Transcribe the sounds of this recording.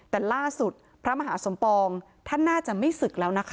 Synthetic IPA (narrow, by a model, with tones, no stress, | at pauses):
t̪ɛː˨˩laː˥˩su˨˩t̪̚ | pʰɾa˦˥ma˧ɦaː˩˦so˩˦mpɔː˧ŋ | t̪ʰa˥˩nːaː˥˩t͡ɕa˨˩ʔma˥˩jsɯ˨˩k̚lɛː˦˥wna˦˥kʰ